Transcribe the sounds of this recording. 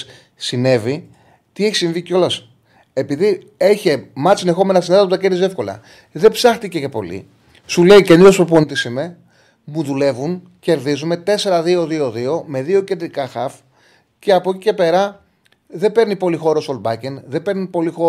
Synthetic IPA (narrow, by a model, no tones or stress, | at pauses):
sine̞vi | t̪ie̞çisiɱvico̞lɐs | e̞piði | e̞çe̞mɐsine̞xo̞me̞nɐsineðɐput̪ɐceɾðize̞fko̞lɐ̰ | ðe̞psɐxt̪ice̞ce̞po̞̰lḭ | sule̞iceniospɾoponit̪isime̞ | muðule̞vun | ce̞ɾðizume̞t̪e̞se̞ɾɐðio̞ðio̞ðio̞me̞ðio̞ce̞nd̪ɾikɐxɐf | ce̞ɐpocice̞pe̞ɾɐ | ðe̞be̞ɾnipo̞lixo̞ɾosolbɐcenðe̞be̞ɾnipo̞lixo